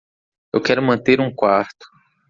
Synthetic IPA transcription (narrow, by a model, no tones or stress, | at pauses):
ḛwkɛɾʊmɐ̃nt̪eɾũkwaɾt̪ʊ̥